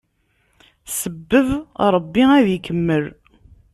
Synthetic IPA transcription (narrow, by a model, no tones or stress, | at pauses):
səbːəðɾˤəbːiæðjəkːəmːəl